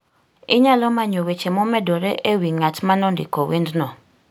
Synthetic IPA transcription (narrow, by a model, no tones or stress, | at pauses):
ɪɲalɔmaɲowet͡ʃemɔmɛdɔɾɛʔewiŋatmanɔndɪ̰kɔwendnɔ